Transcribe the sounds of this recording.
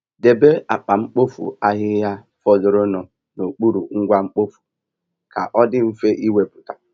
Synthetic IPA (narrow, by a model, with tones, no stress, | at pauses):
de˨be˦a˨k͡pa˨ŋ͡m̩˦k͡po˦fṵ˨a˦ɦɪ˦ja˦ | fɔ˦zʊ˨ɾo˦no˨ | no˨k͡pu˦ɾṵ˨ŋ̩˦ɡʷa˦ŋ͡m̩˦k͡po˦fu̥˨ | ka̰˨ʔɔ˦dɪ˦m̩˦fe˦ʔi˦we˨pʊ˨tḁ˨